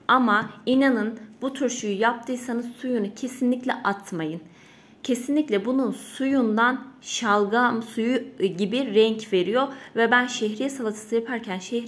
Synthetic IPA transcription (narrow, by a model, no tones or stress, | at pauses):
amainanɯnbut̪ʰuɾʃujujap̚t̪ʰɯːsanɯzsujunucʰe̞sinlʲicʲlʲɛʔat̪ʰmajɯn | cʰe̞sinlʲicʲlʲɛbununsujund̪anʃalˠɡamsujuɟibiɾɛɲcve̞ɾijoɾvɛbænʃɛçɾijɛsalˠat̪ʰɯ̥sɯjapʰaɾcʰænʃɛh